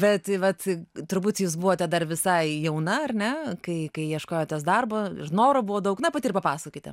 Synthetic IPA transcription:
bʲɛt̪ʋɐt̪t̪ʊɾbuːt̪ʲsjuːsbuʋoːt̪ʲɛd̪ɐrʋʲɪsɐɪjɛʊnɐɐrnʲɛkɐɪkɐɪjiɛʃkoːjoːt̪ʲɛs̬d̪ɐrboɪ̰ɾnoːɾobuʋoːd̪ɐʊknɐpɐt̪ʲiːrpɐpɑːsokʲiːtʲɛ̰

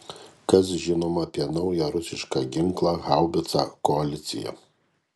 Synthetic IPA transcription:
kɐs̬ʒʲɪnoːmɐːpʲiɛnɐʊjɛɾʊsʲɪʃkɑɡʲɪŋklˠɑːɣɑˑʊbʲɪt̪sa̰ːkɔɐlʲɪt̪sʲɪ̰jɛ̰

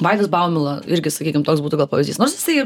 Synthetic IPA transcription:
ʋɐɪd̪ʲɪsbɑʊmʲɪlˠɐɪɾʲɡʲɪsɐkʲiːkʲɪmt̪oːksbuːt̪ʊɡɐlˠpɐːʋʲɪzʲd̪ʲiːsnoːrsjɪ̥sɐɪɪ

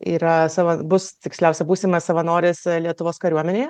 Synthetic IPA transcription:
iːɾɐsɐʋɐbʊst̪ʲɪksʲlʲæˑʊsʲɛbuːsʲiːmɐsɐʋɐnoːɾʲeːslʲiɛt̪ʊʋoːskɐɾʲuɔmʲɛnʲeːjɛ

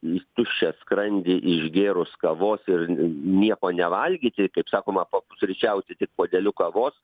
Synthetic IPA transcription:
t̪ʊʃʲt͡ʃʲɛskɾɐnʲd̪ʲɪʔɪʒɡʲeːɾoːskɐʋoːsɪrnʲiɛkoːnʲɛʋɐlʲɡʲiːt̪ʲɪkɐɪpsɑːkoːmɐpopʊsʲɾʲɪt͡ʃʲɛʊsʲɛt̪ʲɪk̚poːd̪ʲɛlʲʊkɐʋoːs

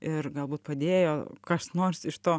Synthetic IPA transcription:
ɪrɡɐlˠbuːt̪̚pɐd̪ʲeːjoːkɐsnoːrsɪʃt̪oː

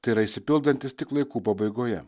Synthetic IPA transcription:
t̪ɐiɾɐisʲɪpʲɪlˠd̪ɐnʲt̪ʲɪst̪ʲɪklˠɐɪkuːpɐbɐɪɡoːjɛ̰

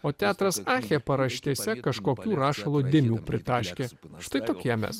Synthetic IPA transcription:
oːt̪ʲæːt̪ɾɐsɑːxʲeːpɐɾɐʃʲt̪ʲiɛsʲɛkɐʃkoːkʲuːɾɑːʃɐlˠuːd̪ʲɪmʲuːpʲɾʲɪt̪ɑːʃʲkʲeːʃt̪ɐɪt̪oːkʲiɛmʲɛ̰s

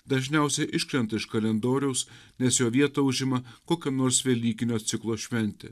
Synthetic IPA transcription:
d̪ɐʒʲnʲɛˑʊsʲɛʔɪʃʲkɾʲɛnt̪ɐɪʃkɐlʲɛnd̪oːɾʲɛʊsnʲɛsjoːʋʲiɛt̪oʊʒʲɪmɐkoːkʲɛnoːɾsʋʲiɛlʲiːkʲɪnʲoːt̪sʲɪklˠoːʃʲʋʲɛnʲt̪ʲɪ̰

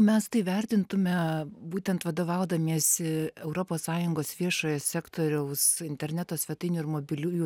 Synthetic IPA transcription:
mʲɛst̪ɐɪʋʲɛɾʲt̪ʲɪnt̪ʊmʲɛbuːt̪ʲɛnt̪ʋɐd̪oːʋɐʊd̪ɐmʲiɛsɪɛʊɾoːpoːssɑːjʊŋɡoːsʋʲiɛʃoːjɛsʲæːkt̪oːɾʲɛʊsɪnʲt̪ʲɛɾʲnʲæt̪oːsʲʋʲɛt̪ɐɪnʲuːɪɾmoːbʲɪlʲuːju

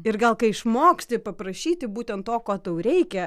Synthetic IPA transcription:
ɪrɡɐlˠkɐɪɪʃmoːksʲt̪ʲɪpɐpɾɐʃʲiːt̪ʲɪbuːt̪ʲɛnt̪toːkoːt̪ɐʊɾʲɛɪkʲɛ

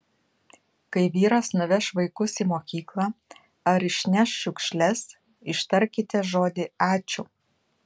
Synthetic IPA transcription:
kɐɪʋʲiːɾɐsnʊʋʲɛʃʋɐɪkʊsimoːkʲiːklˠɑː | ɐɾɪʃʲnʲɛʃʃʲʊkʃʲlʲɛs | ɪʃt̪ɐɾʲkʲɪt̪ʲɛʒoːd̪ʲɪɑːt͡ʃʲʊː

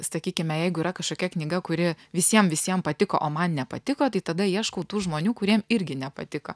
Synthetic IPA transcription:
sɐkʲiːkʲɪmʲɛjɛɪɡʊiɾɐkɐʃkoːkʲɛknʲiːɡɐkʊɾʲɪ | ʋʲɪsʲiɛmʋʲɪsʲiɛmpɐt̪ʲɪko̰ʔoːmɐnnʲɛpɐt̪ʲɪkoːt̪ɐɪt̪ɐd̪ɐiɛʃkɐʊt̪uːʒmoːnʲuːkʊɾʲiɛmɪɾʲɡʲɪnʲɛpɐ̰t̪ʲɪkɐ

